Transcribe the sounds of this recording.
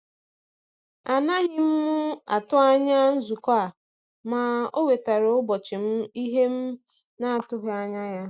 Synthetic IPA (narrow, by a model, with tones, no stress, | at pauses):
a˨na˦ɣɪ˦m̩˦mʊ˦a̰˨tʊ˦a˦ɲa˦n̩˦zu˨ka˨ | ma˨o˦we˨ta˨ɾo˨ʊ˦bɔ˨t͡ʃɪ˨m̩˦i˦ɦe˦m̩˦ | na˦a˨tʊ˦ɦa˨ɲa˦ja˦